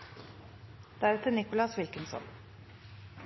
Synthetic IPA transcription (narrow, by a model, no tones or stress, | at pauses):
d̪̥æɾɛt̪ənɪkʊlɑsʋɪlkənsɔ̰n